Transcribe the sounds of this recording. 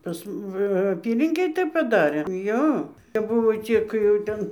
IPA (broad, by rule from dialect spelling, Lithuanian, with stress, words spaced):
ˈpɐs m ʋɐ ɐˈpʲiːlʲɪŋʲkʲeːj ˈtɐɪp pɐˈdɑːrʲeː ˈjoː kɐp ˈbʊʋoː ˈt͡sʲɪk jɛʊ ˈtɐn